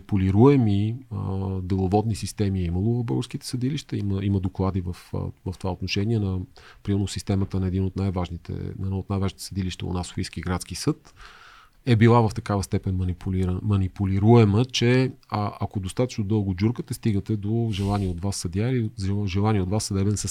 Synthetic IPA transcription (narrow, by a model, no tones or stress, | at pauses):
puliɾuɛmiəd̪ɛlˠovɔd̪nisist̪ɛmiɛiməlˠovɐvbo̰ɡəɾsk̟it̪ɛ̥sɐd̪iliʃt̪ɛiməiməd̪oklˠad̪ivəfvɐft̪ovaot̪noʃɛniɛnɐpɾimɛɾnosist̪ɛmət̪ənɐɛd̪inot̪najvaʒnit̪ʰɛ̰nɛd̪nɔot̪najvaʒnit̪ɛ̥sɐd̪iliʃt̪ɛ̰o̰naso̥fiskiɡɾat̪sk̟isɤt̪ | ɛbilˠavɐft̪ɐkavəst̪ɛpɛnənipuliɾmɐnipuliɾuɛmət͡ʃɛʔɐkod̪ost̪at̪ə̥t͡ʃnod̪ɤlˠɡod͡ʒuɾkət̪ɛst̪iɡət̪ɛd̪oʒɛlˠaniɛod̪vasːɐd̪ʲaɾiʒɛlˠaniɛod̪vasːɐd̪ɛbɛnsəs